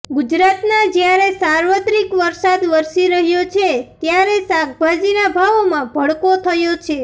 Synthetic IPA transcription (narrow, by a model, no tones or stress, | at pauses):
ɡud͡ʒɾat̪nad͡ʒjaɾesaɾʋət̪ɾikʋəɾsad̪ʋəɾsiɾəɦjot͡ʃʰet̪jaɾesak̚bad͡ʒinabʱaʋomãbʱəɭkot̪ʰəjot͡ʃʰe